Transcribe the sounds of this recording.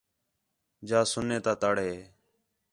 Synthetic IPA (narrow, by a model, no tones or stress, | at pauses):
d͡ʒaːsʊnːeːt̪aːt̪aːɽeː